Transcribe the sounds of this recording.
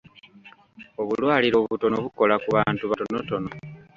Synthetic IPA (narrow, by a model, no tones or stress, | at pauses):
o̞βulwaːliɾoβuto̞noβuko̞lakuβaːntuβatono̞to̞no̞